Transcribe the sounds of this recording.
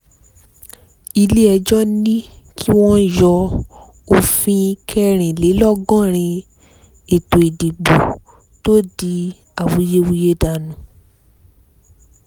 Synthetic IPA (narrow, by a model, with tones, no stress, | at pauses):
i˧le˦ɛ˧d͡ʒɔ˦nĩ˦ | kʰi˦w̃ɔ̃˦jɔ˧ | o˧fĩ˧kʰɛ˦˧ɾ̃ĩ˨le˨˦lɔ˦ɡɔ̃˦˨ɾ̃ĩ˧ | e˨to˨i˨di˨ɡ͡bu˨ | to˦di˧ | a˦˨wu˨˦je˦wu˦je˦da˨nũ˨